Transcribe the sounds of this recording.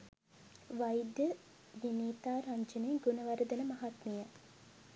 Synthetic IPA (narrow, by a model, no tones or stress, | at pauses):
ʋajd̪ə | ʋiniːt̪aːɾaɲd͡ʒəneːɡonəʋaɾəd̪ənəmaɦat̪mijə